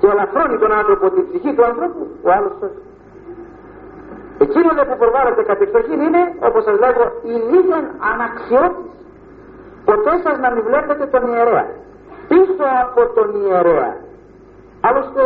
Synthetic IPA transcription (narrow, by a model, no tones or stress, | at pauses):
ceelɐxɾo̞nit̪o̞nanθɾopo̞t̪ibsiçit̪uɐnθɾo̞puoalo̞ssɐs | e̞cinoðepupɾovalet̪e̞kɐt̪eksoçinine̞o̞̰po̞sɐzle̞ɣo̞iliðenɐnɐksio̞t̪is | po̞t̪e̞sɐznɐmivle̞pθet̪e̞t̪o̞nieɾe̞ɐ̰ | piso̞ɐpo̞t̪o̞nieɾeɐ̰ | ɐlost̪e